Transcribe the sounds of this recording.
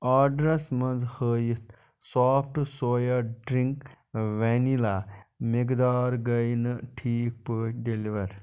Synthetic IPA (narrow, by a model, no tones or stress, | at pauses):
aːɖɾɐsmɐnzhəːjit̪ | saːpʰʈsoːjɐɖɾiŋk | ʋɛnilamikd̪aːɾɡɐjnɨʈʰiːk̚pəɖeliʋɐɾ